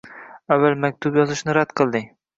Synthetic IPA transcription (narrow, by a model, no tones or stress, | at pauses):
avːalmak̚ʲt̪ʰʊpjɒzɨʃnɪɾad̪̥qʰɨlˠd̪ɪ